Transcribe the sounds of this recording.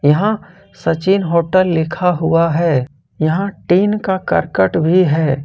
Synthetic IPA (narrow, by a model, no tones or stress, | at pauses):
jɐɦã | sɐt͡ʃiːnɦoːʈəlːɪkʰaɦʊaɦɛː | jɐɦãʈiːnkakɐ̰ɾkəʈbʱiɦɛː